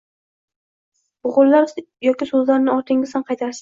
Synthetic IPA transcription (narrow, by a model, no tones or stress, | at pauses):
b̥ʊʁʊlˠːaɾ | jɒkʲisɵzlaɾnɪɒɾt̪ʰɪŋɪsanqʰɑjt̪ʰaɾsḁ